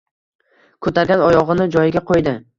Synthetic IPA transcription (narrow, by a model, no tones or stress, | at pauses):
kʰɵt̪ʰaɾɡʲanɒjɒʁɨnɪd͡ʒɒjɪɡʲaqʰojd̪ɪ